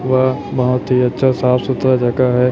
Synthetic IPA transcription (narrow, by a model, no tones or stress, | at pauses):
ʋabɐɦʊt̪ɦiɐtːʃʰasaːfsʊt̪ɾad͡ʒɐkaɦɛː